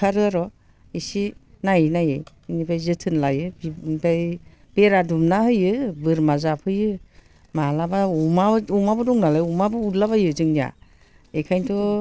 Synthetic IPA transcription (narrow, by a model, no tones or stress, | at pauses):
aɾɯaɾɔ | isinajnajaj | nibʰajzɯtʰɯnlajɯbaj | beɾadumnahɯjɯbɯɾmazapʰɯjɯ | malabaumaumabɯdɔŋnalajɔmabɯutlaβajɯzɯŋnija̰ | ekʰajntʰɔ